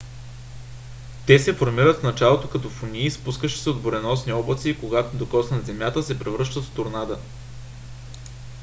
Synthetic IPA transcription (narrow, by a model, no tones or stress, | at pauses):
t̪ɛsɛfoɾmiɾət̪fnɐt͡ʃalˠot̪okɐt̪ofʊnʲiːspuskəʃɛ̥sɛod̪boɾɛnɔsniɔblˠət̪siːkoɡat̪od̪okɔsnɐd̪zɛmjat̪əsɛpɾɛvɾɤʃt̪ət̪ft̪ʊɾnad̪ə